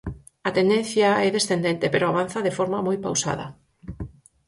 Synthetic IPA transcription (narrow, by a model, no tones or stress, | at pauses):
at̪end̪ẽn̟θjaɛðesθend̪ent̪epeɾoaβ̞an̟θaðefɔɾmamojpa̰wsa̰ðɐ̰